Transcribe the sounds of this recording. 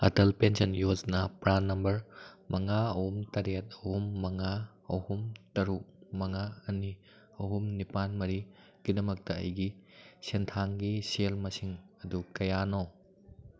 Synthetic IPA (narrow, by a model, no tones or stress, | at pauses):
ɐ̰tɐlpensɐnjod͡ʒnɐpɾanːɐmbɐɾmɐŋaɐhumtɐɾet̚ɐhumːɐŋa | ɐhumtɐɾuk̚mɐŋaɐni | ɐɦumnipanmɐɾi | ɡ̥idɐmɐk̚tɐɐ̰jɡisentʰaŋɡiselmɐsiŋɐdukɐjano